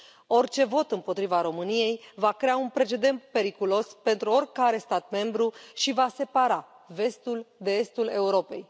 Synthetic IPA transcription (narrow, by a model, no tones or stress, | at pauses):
o̞rt͡ʃe̞vo̞t̪ɨmpo̞t̪ɾivaɾo̞mɨnije̞jvakɾe̞aunpɾe̞t͡ʃe̞d̪e̞nt̪̚pe̞ɾikulo̞spe̞nt̪ɾuo̞rʲkaɾe̞st̪at̪̚me̞mbɾuʃivase̞paɾa | ve̞st̪uld̪e̞est̪ule̞uɾo̞pe̞̰j